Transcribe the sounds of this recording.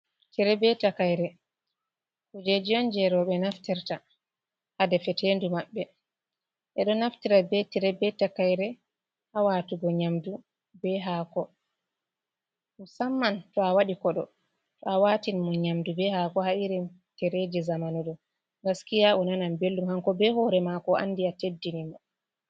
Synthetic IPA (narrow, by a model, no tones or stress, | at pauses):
tʰiɾɛbɛtakajɾɛ | tɔd͡ʒed͡ʒijɔnd͡ʒɛɾɔɓɛnaftiɾta | hadɛfɛtendumaɓːɛ | ʔɛɗɔnaftiɾabɛtiɾɛbɛtakajɾɛ | hawatuɡɔɲamdu | bɛɦakɔ | musamːantɔawaɗikɔɗɔ | tɔawatinmɔɲamdubɛhakɔhaiɾɛm | tɛɾed͡ʒɛzamanɔɗɔ | ŋɡaskijaʔɔnanambelːumhaŋkɔbɛhɔɾɛmakɔʔa̰nːdiatedːinimɔ